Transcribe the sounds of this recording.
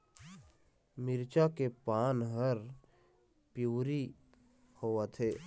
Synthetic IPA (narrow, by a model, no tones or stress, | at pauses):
mɪɾt͡ʃakepaːnɦəɾ | pjuːɾi | hoːwət̪ʰɦeː